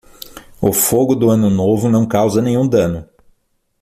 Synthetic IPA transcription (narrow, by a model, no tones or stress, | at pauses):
ʊfoɡʊd̪ʊɐ̃nʊnovʊnɐ̃w̃kawzɐnẽj̃ũd̪ɐ̃nʊ